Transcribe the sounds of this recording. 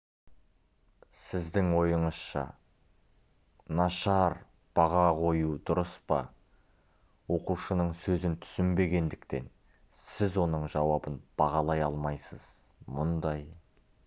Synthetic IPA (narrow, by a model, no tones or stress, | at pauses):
sɪzd̪ɪŋwo̞jəɴəzʃɑ̰ | nɑʃɑɾ | b̥ɑʁɑqʰo̞jud̪ʊɾəspɑ̰ | wo̞quʃənəɴsɵzɪnt̪ʰʏ̥sɪmbe̞ɡʲe̞nd̪ɪkt̪e̞̰n | sɪzwo̞nəɴʒɑwɑbənb̥ɑʁɑlˠɑjɑlˠmɑjsəz̥ | mʊnd̪ɑj